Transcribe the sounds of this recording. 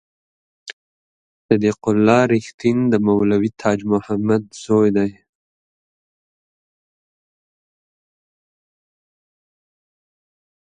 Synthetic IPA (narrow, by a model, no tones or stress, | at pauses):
sad̪iqʊlːɑɾɪxt̪ind̪əmawlawit̪ʰɑːd͡ʒmʊhamad̪z̥ojd̪aj